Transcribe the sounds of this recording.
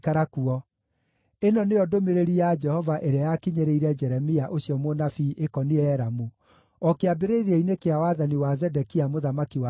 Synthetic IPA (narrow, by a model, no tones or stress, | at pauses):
kaɾakuɔ | enɔneɔdomeɾeɾiad͡ʒɛhɔvaʔeɾeajakiɲeɾeiɾɛd͡ʒɛɾɛmiaʔoɕiɔmonafiʔekɔniɛɾamu | ɔkeabeɾeɾiɛinekeawaðaniwazɛdɛkiamoðamakiwa